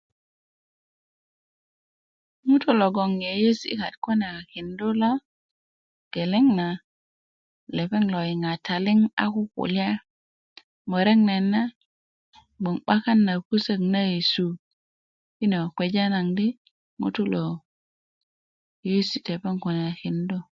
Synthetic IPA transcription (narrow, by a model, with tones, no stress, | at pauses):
mu˦tu˦lo˨ɡo˨ŋje˨je˦sḭ˦ka˨tko˦na˨ki˨ndu˦lo˦ | ɡ̥e˨le˦ŋna˨ | le˨pe˦ŋlo˨i˨ŋa˨tʰa˨li˦ŋa̰˦ku˦kṵ˨lja˦ | mo˨ɾe˦ŋne˨nːa˦ | bo˨ŋɓa˦ka˦nːa˨ku˦se˦˨kna˦ji˨su˨ | ki˦no˨kʷe˨d͡ʒa˦na˨ŋdi˦ | mṵ˦tu˦lo˨ | je˦si˦˨te˨pe˦ŋko˨n˨a˨ki˨ndo˦